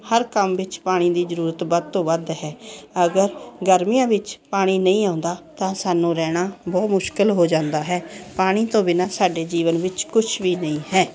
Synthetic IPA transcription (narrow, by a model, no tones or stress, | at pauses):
həɾkəmʋɪt͡ʃpaːɽ̃ĩːd̪iːzəɾuːɾət̪bəd̪t̪õːʋəd̪ɦɛːəɡəɾɡəɾmijãːʋɪt͡ʃpaːɽ̃iːnəĩːãːnd̪aːt̪ãːsaːnũːɾɛːɽ̃aːbɔːt̪mʊʃkɪlɦoːd͡ʒãːnd̪aːɦɛːpaːɽ̃iːt̪õːbɪnãːsaːɖeːd͡ʒiːʋənʋɪt͡ʃkʊt͡ʃʰʋiːnəĩːɦɛː